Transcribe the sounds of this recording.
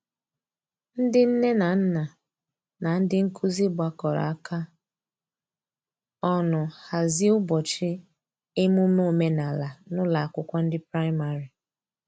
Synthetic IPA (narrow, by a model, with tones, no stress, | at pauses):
n̩˦dɪ˦n̩˦ne˦na˨n̩˦na˨ | na˨n̩˦dɪ˦ŋ̩˦kʰu˦zi˦ɡ͡bʷa˨kɔ˨ɾa̰˨a˦ka˦ | ɔ˦nʊ˨ha˨zɪ˦ʊ˦bɔ˨t͡ʃɪ˦ | e˦mʊ˦mo˦˨me˦na˨la˨nʊ˦la˨a˨kʷʊ˦kʷa˦n̩˦dɪ˦pɾa˦ɪ˦ma˨ɾi˨